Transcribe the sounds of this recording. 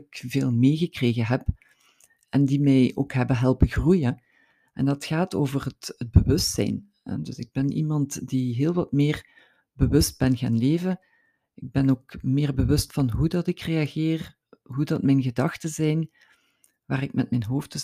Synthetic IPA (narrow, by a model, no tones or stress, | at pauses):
kveːlˠmeːɣəkreːɣəɦɛp | ʔɛndimɛjo̰ːkɦɛbəɦɛlˠpəɣrujə | ɛ̰ndɑtxaːtoːvərətəd̚bəʋɵstsɛ̰jn | ɛ̰dɵsɪɡ̚bɛnʔḭmɑntdiɦɪːlˠʋɑtmɪːr | bəwɵst̚b̥ɛnɣa̰ːnleːvə | ɪɡ̚bɛnoːkmɪːrbəʋɵstfɑnɦudɑtɪkreaɣɪːr | ɦudɑtmɛjnɣədɑxtəzɛjn | ʋaːrɪk̚mɛtmɛjnɦoːft